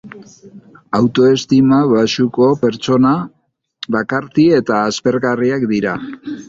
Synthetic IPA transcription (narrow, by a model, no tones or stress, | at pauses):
awt̪o̞e̞st̪imaβasuko̞pe̞ɾt͡ʃo̞na | βakaɾt̪ie̞t̪aːspe̞ɾɣariakd̪iɾa